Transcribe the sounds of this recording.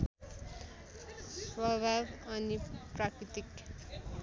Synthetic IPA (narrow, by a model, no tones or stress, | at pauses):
swʌbʱabʌniprakɾit̪ik